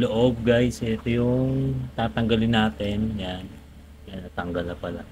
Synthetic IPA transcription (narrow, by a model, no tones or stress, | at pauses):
loʔob̚ɡajsʔɛt̪ojʊŋt̪aːt̪ɐŋɡɐlɪnːaːt̪ɛnjan | kanɐt̪ɐŋɡɐlnɐpɐla̰